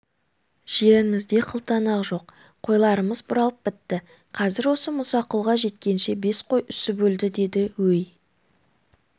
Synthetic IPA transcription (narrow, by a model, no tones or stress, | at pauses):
ʒ̥e̞ɾɪmɪzd̪e̞qʰəlˠt̪ɑnɑʁʒo̞q | qʰo̞jlˠɑɾəməzbʊɾɑlˠəp̚bɪt̪ːɪ | qʰɑzɪɾwo̞səmʊsɑqəlˠʁɑʒe̞t̪̚kʲe̞nʃe̞be̞sqʰo̞jʔʏsɪbɵld̪ɪd̪e̞d̪ɪwɵj